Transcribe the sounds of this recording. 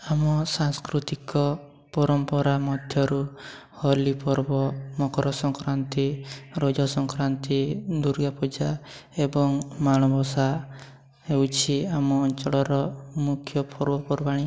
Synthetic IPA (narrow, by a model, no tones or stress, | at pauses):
amɔsaŋskɾut̪ikɔ | pɔɾɔmpɔɾamɔd̪ʱjɔɾu | hɔlipɔɾbɔmɔkɔɾɔsɔŋkɾant̪iɾɔd͡ʒɔsɔŋkɾant̪id̪uɾɡapud͡ʒaebɔŋmaɽ̃ɔbɔsa | ewt͡ʃʰiamɔːnt͡ʃɔɭɔɾɔmukʰjɔpʰɔɾbɔpɔɾbaɽ̃i